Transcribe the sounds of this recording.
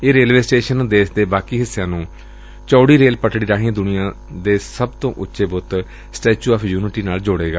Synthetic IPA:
eːɾeːlʋeːsʈeːʃənd̪eːsd̪eːbaːkiːɦɪsːjãːnũː | t͡ʃɔːɽiːɾeːlpəʈɽiːɾaːɦĩãd̪ʊnɪijãː | d̪eːsəbt̪õːʔʊtːʃeːbʊt̪ | sʈeːt͡ʃuːaːpʰjuːnɪʈiːnaːld͡ʒoːɽeːɡaː

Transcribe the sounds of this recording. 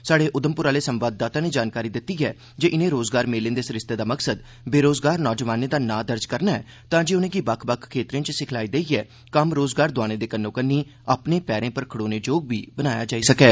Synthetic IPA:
saːɽeːʔʊd̪əmpʊɾaːleːsəmʋaːd̪̚ːaːt̪ãːneːd͡ʒaːnkaːɾiːd̪ɪt̪ːiːɛː | d͡ʒeːʔɪnẽːɾoːzɡaːɾmeːlẽnd̪eːsɪɾɪst̪eːd̪aːməksəd̪ | beːɾoːzɡaːɾnɔːd͡ʒəʋaːneːd̪aːnaːd̪əɾd͡ʒkəɾnaːɛː | t̪ãːd͡ʒeːʊnẽːɡiːbəkʰbəkʰkʰːeːt̪ɾĩẽːt͡ʃsɪkʰlaːiːd̪eːiːɛː | kəmɾoːzɡaːɾd̪ʊaːɽ̃ẽːd̪eːkənːõːkənːiː | aːpneːpɛːɾẽːpəɾkʰəɽoːneːd͡ʒoːɡ̚ʋiːbənaːja̰ːd͡ʒaːiːsəkɛː

